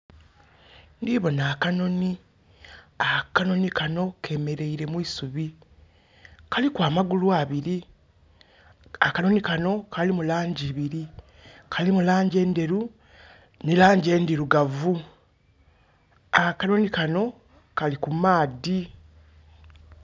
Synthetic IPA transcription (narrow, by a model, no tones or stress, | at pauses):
ndiβo̞naːkano̞ni | akano̞nikano̞kʰe̞ːme̞ɾe̞iɾe̞mwiːsuβi | kalikwaːmaɡulwaβiɾi | akano̞nikano̞kʰalimulaːɲɟiβiɾi | kʰalimulaːɲɟe̞ːnde̞ɾu | nilaːɲɟe̞ːndiɾuɡavu | akano̞nikano̞ | kalikumaːdi